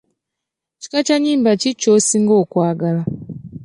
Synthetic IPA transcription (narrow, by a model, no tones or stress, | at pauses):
ci̥kat͡ʃaɲiːmbacit͡ʃosiŋɡoːkwaːɡala